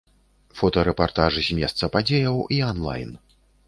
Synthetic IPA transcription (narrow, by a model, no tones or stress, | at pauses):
fɔt̪ɐɾɛpart̪aʐɨzʲmʲɛst̪sɐpad͡zʲejɐwianlˠa̰jn